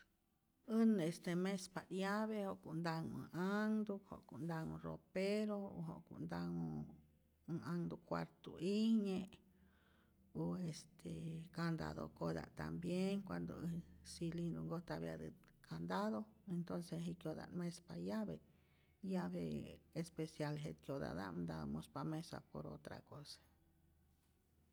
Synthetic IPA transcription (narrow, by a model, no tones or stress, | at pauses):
ɨnest̪emẽspad̪jaβehoʔkund̪aŋɨ̰ʔaŋd̪uho̰ʔkuʔnd̪aŋũro̰peɾoɦo̰ʔkṵʔnd̪aŋũ | aŋd̪ukʷa̰ɾt̪uʔiɲẽʔ | oest̪ʰekand̪a̰ðo̰kod̪a̰ʔt̪a̰mbjeŋkʷand̪osilind̪uŋɡot̪aβja̰d̪ɨ | kʰand̪aðoent̪onseɦikjod̪a̰ʔnmẽspajaβe | jaβeespesjalɦet̪̚kjod̪a̰d̪a̰nd̪amõspamẽsa̰poɾo̰t̪ɾa̰kosḁ